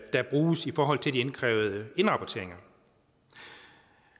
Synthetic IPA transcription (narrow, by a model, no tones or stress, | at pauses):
d̥ɑ̈b̥ʁuːsifɒːɦɒ̽l̰t͡sʰe̝ld̥ienkʰʁɛːʊð̞̩ˠəe̝nʁɑ̈pʰɒt͡sʰe̝ɐ̰eŋɐ